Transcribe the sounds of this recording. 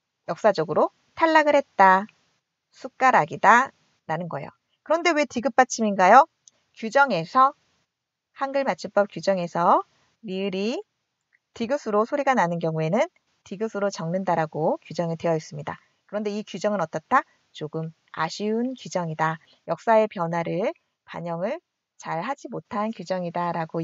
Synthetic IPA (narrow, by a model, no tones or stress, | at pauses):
jʌk̚s͈ad͡ʑʌɡɯɾo | tʰaɭːaɡɯɭhe̞t̚t͈a | sʰuk̚k͈aɾaɡida | ɾanɯnɡʌḛjo̰ | kɯɾʌnde̞wetiɡɯp̚p͈at͡ɕʰiminɡajo | kjud͡ʑʌŋe̞sʰʌ | hanɡɯɭmat͡ɕʰip͈ʌp̚k͈jud͡ʑʌŋe̞sʰʌ | miɯɾi | tiɡɯsʰɯɾosʰoɾiɡananɯnkjʌŋue̞nɯn | tiɡɯsʰɯɾot͡ɕʌŋnɯndaɾaɡokjud͡ʑʌŋidwe̞jʌis͈ɯmɲida | kɯɾʌndeikjud͡ʑʌŋɯnʌt͈ʌt͈a | t͡ɕoɡɯm | a̰ɕʰiunkud͡ʑʌŋida | jʌk̚s͈ae̞pjʌnɦwaɾɯɭ | pa̰ɲʌŋɯɭ | t͡ɕaɭhad͡ʑimotʰankjud͡ʑʌŋidaɾaɡo